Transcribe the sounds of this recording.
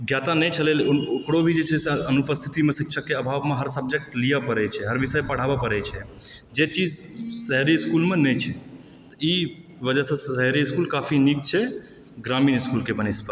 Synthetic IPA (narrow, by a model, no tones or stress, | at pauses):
ɡjat̪anɛt͡ʃʰəlelokɽobʱid͡ʒet͡ʃʰɛsẽənupəst̪ʰit̪imesikʃʰəkːeəbʱaːʋmeɦəɾsəb̚d͡ʒek̚ʈlijapəɾɛt͡ʃʰɛɦəɾʋisəjpəɽ̤aːbapəɾɛt͡ʃʰɛd͡ʒet͡ʃid͡ʒsəɦɾiskulmenɛt͡ʃʰɛ | t̪əi | ʋəd͡ʒəsə̃səɦɾiskulkafʰinik̚t͡ʃʰɛ | ɡɾamiːnɪskulkebənispə